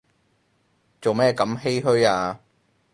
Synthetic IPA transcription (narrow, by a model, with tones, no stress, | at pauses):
t͡so˨wmɛː˥˩kɐ˨˥mɦe˥jɦɵ˥ɥaː˧